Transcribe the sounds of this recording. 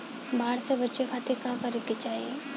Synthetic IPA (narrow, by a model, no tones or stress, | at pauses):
baːɽsebɐtːʃekʰaːt̪ekakɐɾɪkːet͡ʃaːɦiḛ